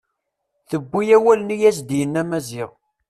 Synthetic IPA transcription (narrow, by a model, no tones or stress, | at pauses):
θəbʷːijæwælənijæs̬d̪jənːæmæzɪʁ